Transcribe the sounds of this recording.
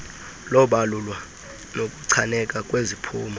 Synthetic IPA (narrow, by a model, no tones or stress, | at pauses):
lɔɓalulwa | nok̬ʼuǀʰanɛk̬ʼak̬ʼwezipʰṵːma